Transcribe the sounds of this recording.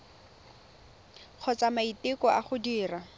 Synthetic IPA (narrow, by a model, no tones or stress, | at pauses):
k͡xʰɔt͡samaitɪkɔʔaχʊdiːra